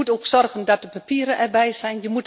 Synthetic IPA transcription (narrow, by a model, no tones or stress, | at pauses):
utoːksɔrɣəndɔt̚dəpapiːəɾənʔɛrbɛjsɛjnjəmut